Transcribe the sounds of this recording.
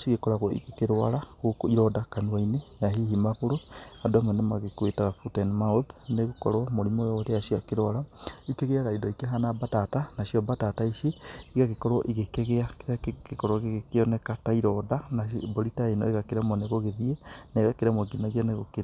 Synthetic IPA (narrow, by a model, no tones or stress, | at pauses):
ʃiɣekɔɾaɣwɔḭɣekeɾwa̰ɾaɣokiɾɔdakanuainejaɦihimaβoɾoadɔmɛnemaɣekwetaɣafutɛnmaoðneɣokɔ̰ɾwamoɾimojɔɾeaʃiakeɾwaɾaikeɣeaɾaidɔikeɦanabatatanaʃjɔbatataiʃeːɣaɣekɔɾwɔʔiɣekeɣeakeɾaekɔɾwaɣeɣekeɔnɛkataiɾɔdanaboɾitaenɔ̰eɣakeɾamoneɣoɣeðiɛneɣakeɾamoɡinaɣianeɣokeɾa